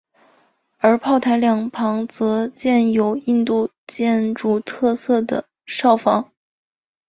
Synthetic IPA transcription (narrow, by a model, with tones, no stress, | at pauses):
ə˞˧˥pʰɑ˥˩ʊt̪ʰa˧˥ɪljɑ˨˩ŋpʰɑ˧˥ŋt͡sɤ˧˥t͡ɕjɛ˥˩njo˨˩ʊi˥˧nt̪u˥˧ | t͡ɕjɛ˥˧nʈ͡ʂu˥˩t̪ʰɤ˥˧sɤ˥˩d̪ə̰˩ | ʂɑ˥˩ʊfɑ˧˥ŋ